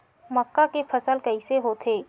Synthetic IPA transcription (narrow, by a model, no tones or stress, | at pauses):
məkːakepʰɐsəlkɐiseɦot̪ʰeː